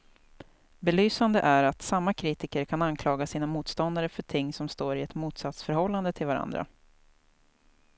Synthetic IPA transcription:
bɛlyːsand̪əʔæɾat̪samːakʰɾiːt̪ɪkəɾkʰanankʰlɑːɡasiːnamuːt̪st̪ɔnd̪aɾəfœʈʰɪŋːsɔmst̪oːɾɪɛt̪muːt̪sat̪sfœɾhɔlːand̪ət̪ʰɪlvaɾa̰nd̪ɾa̰

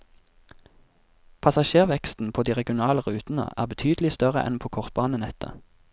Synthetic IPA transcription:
pʰɑsɑʃeːʁʋɛkst̪n̩pʰoːd̪iːʁɛɡɪʊnɑːləʁʉːt̪n̩ə̰ʔæ̰ːʁbət̪ʰyːd̪lɪst̪œʁə̰ʔɛ̰npʰoːkʰɔʁt̪̚bɑːnənɛt̪ʰə̰

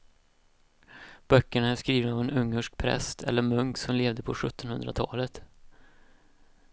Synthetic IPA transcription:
b̥œkːəɳaæʂkɾiːvənavɛnɵŋːəʂk̚pʰɾɛ̰st̪ʰɛ̰lːəɾmɵŋksɔmleːvd̪əpʰɔɧɵt̪ːɔnhɵnd̪ɾat̪ʰɑ̰ːlət̪

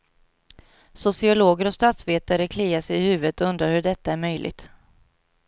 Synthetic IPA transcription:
sʊsɪʊloːɡəɾɔst̪at̪sveːt̪aɾəkʰliːaʂɛjɪhʉ̟ːvət̪ɔɵnd̪ɾaɾhɵɖɛt̪ːaæɾmœjlʔɪ̰ɡ̚t̪

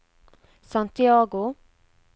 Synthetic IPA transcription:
sant̪ɪɑːɡʊ

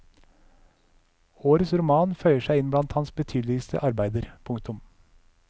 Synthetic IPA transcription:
oːɾəsɾʊmɑːnfœʏəʃæɪɪnblɑnt̪hɑnsbət̪ʰyːd̪lɪəst̪ʰə̰ʔɑɾbæɪd̪əɾpʰʊŋkt̪ʊm

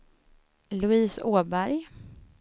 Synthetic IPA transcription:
lɵiːsoːbæɾj

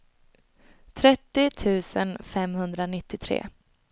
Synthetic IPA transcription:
t̪ʰɾɛt̪ːɪt̪ʰʉ̟ːsə̰nfɛmhɵnd̪ɾanɪt̪ːɪt̪ʰɾḛː

